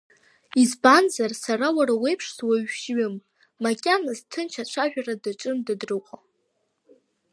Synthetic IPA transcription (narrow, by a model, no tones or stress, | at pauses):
izbanzarsaɾawaɾawe̞jpʰʂswaɥʃɥɪmː | akʲʼanɨztʰɨnt͡ʃʰat͡ʃʷʰaʒᶣaradaʈ͡ʂʼɨmdadrɨqʷʼa